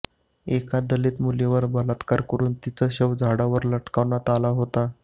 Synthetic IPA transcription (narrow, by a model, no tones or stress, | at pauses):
ekad̪əlet̪muleʋəɾbəlat̪kaɾkəɾuːnt̪it͡səɕəʋd͡zʱaɽaʋəɾləʈkaʋnat̪alaɦot̪a